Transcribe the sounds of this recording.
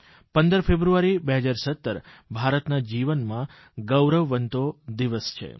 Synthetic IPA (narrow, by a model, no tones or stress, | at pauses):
pənd̪əɾfebɾuaɾibeɦəd͡ʒaɾsət̪ːəɾbʱaɾət̪nad͡ʒiʋənmã | ɡəwɾəʋːənt̪od̪iʋəst͡ʃʰḛ